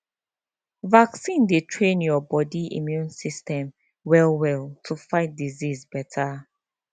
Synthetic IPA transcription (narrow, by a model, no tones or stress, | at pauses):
vaksĩndetʰɹẽnjɔbɔdiḭmjũnsistɛ̃m | wɛlwɛlˠtʰufaɪt̚dizizbɛtʰa